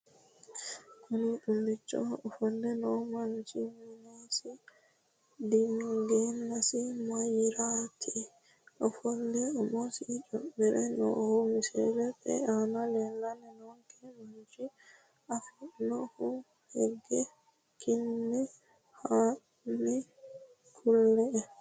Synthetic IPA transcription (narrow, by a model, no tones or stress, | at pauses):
kʊnɪɗʊlːɪt͡ʃːɔ̰ɔfɔlːɛnomɐnt͡ʃɪmɪnasɪ | d̪inːʊɡeːnːɐsɪmɐjɪɾaːt̪ʰi | ʔɔfɔlːɛɔmɔsid͡ʒɔmːɛɾʔɛnɔ̰humisɛd͡ʒɛtɛ̰analɛlːanɛnɔŋkʰɛmaɲd͡ʒi | ʔafinɔfu | hɛɡːɛ | kʰinːɛ | ha | ni | kʰulːɛ